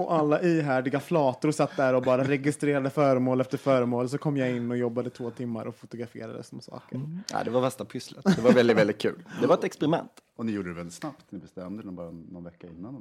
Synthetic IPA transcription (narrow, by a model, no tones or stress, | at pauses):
ɔʔalːaʔiːɦæːɖɪɡaflɑːt̪ʊɾsat̪ːd̪æɾɔbɑːɾaɾɛɡɪst̪ɾeːɾad̪əfœːɾəmoːlɛft̪əɾfœːɾəmoːls̬ɔkʰɔmːjaɪnːɔjɔbːad̪ət̪ʰvoːt̪ʰɪmːaɾɔfʊt̪ʊɡɾafḛːɾa̰d̪ə̰sɔmsɑ̰ːkəɾæ̰ɪd̪ɛvafɛst̪apʰʏslət̪d̪ɛvavɛld̪ɪt̪vɛlɪt̪̚kʰʉ̟ːld̪ɛvaɾɛt̪ɛkspɛɾɪmɛ̰nt̪ɔnɪjuːɖəd̪ɛvɛlɪt̪snapt̪nɪbɛst̪ɛmd̪əɛbɑːɾːɔnvɛkːaɪnːan